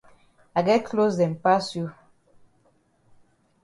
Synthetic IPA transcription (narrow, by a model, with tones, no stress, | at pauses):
a˨ɡɛ˦kʰlo˦sdɛ˨mpa˦sju˦